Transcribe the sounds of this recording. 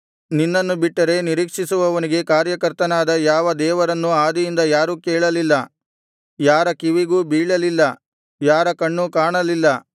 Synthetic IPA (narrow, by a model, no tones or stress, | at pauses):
ninːɐnːubiʈːɐɾe̞niɾiːkʂisuʋɐʋɐniɡe̞kaːɾjɐkɐɾt̪ɐnaːd̪ɐjaːʋɐd̪ɛːʋɐɾɐnːuaːd̪ijind̪ɐjaːɾukɛːɭɐlilːɐ | jaːɾɐkiʋiɡuːbiːɭɐlilːɐ | jaːɾɐkɐɳːukaːɳɐlilːɐ